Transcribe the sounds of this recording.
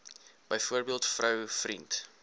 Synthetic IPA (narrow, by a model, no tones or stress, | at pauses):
b̥əjfuərbiəlˠtfrɐwfrint